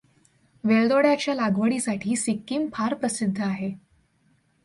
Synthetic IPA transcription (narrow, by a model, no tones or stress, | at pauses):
ʋeɭd̪oɽjat͡ɕjalaɡʋəɽiːsaʈʰiːsikːiːmpʰaɾpɾəsid̪ʱːəaɦe